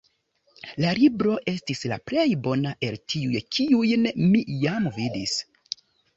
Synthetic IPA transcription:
lalibɾo̞ʔe̞stisla̰ple̞jbo̞naʔe̞ltʰiujkʰiujnmijamvidis

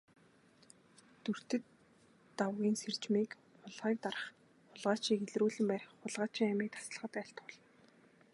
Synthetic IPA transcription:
t̪ur̥t̪ɘ̆t̪ː | awɣʲiːnser̥t͡ɕmiːk | ʊɮʁiːk̚t̪aɾə̆χ | ʊɮʁaːt͡ɕiːxeɮruːɮɘ̆mpærʲχːʊɮʁaːt͡ɕʰiŋæmiːk̚t̪ʰḁsə̆ɮ̆χə̆t̪æɬt̪ʊɮ̆n

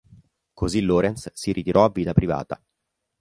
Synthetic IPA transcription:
kʰoziloːɾɛnssiɾit̪iɾʔɔavːiːt̪apɾiva̰ːt̪a̰

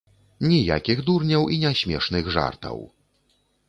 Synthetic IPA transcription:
nʲija̰kʲiɣd̪urnʲɐwʔinʲaɕʲmʲɛʂnɨɣʐa̰rt̪ɐ̰w

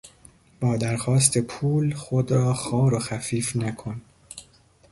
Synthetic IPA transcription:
b̥ɒːd̪æɾxɒːst̪ʰe̞pʰuːlxod̪ɾɒːxɒːɾoxæfiːfnækʰo̞n

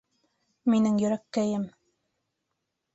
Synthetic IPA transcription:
minɘŋjɵ̆ɾækːæjɘm

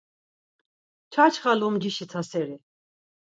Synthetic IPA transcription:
t͡ʃʰat͡ʃʰχalumd͡ʒiʃit̪ʰasɛɾi

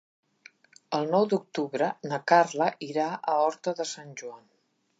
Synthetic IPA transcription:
əlˠnɔwd̪uk̚t̪uβɾənəkarləʔiɾaʔəɔɾt̪əðəsanʲʒuan

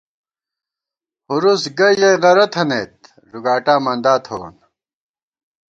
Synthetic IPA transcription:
huɾusɡɐjɐjʁɐɾɐt̪ʰɐnet̪̚ | ɾuɡaːʈaːmɐnɖ̪aːt̪ʰo̰ːn

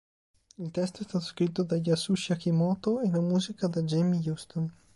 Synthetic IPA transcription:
ilt̪ɛst̪oɛst̪aːt̪o̥skɾit̪̬ːod̪aʎasuʃiakimɔːt̪oelamuːzikad̪ad͡ʒemijust̪on

